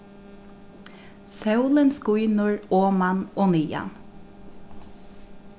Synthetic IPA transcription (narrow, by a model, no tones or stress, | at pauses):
sœʉlənskʊjnʊɹoːmanoːniːa̰n